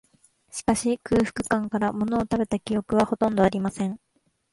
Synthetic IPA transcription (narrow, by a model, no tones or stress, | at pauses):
ɕi̥kaɕikɯ̟ːɸɯ̟̥kɯ̟̥kãŋkaɾamo̞no̞ːt̪abe̞t̪akʲio̞kɯ̟β̞aho̞t̪õ̞nd̪o̞aɾʲimasẽ̞ŋ